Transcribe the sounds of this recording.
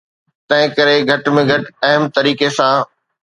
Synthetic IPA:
t̪ɐ̃ɦɪ̃kɐɾeɡʱɐʈmẽɡʱɐʈɐɦəmt̪ɐɾiːkesãː

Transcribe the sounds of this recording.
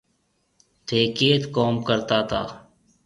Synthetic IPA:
t̪ʰeːkeːt̪koːmkəɾt̪aːt̪ʰaː

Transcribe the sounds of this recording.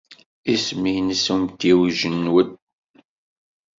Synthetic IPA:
isminsumt̪iwʒənːwəd̪

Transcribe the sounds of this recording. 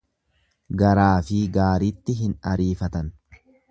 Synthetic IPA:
ɡɐɾaːfɪɡaːɾit̪ːɪɦɪnɐɾiːfɐt̪ɐn

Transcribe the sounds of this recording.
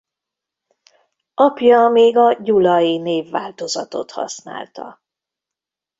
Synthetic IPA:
ʔɒpjɒmeːɡɒɟulɒjineːvːaːlt̪o̞zɒt̪o̞̰t̪hɒ̰sna̰ːlt̪ɒ̰

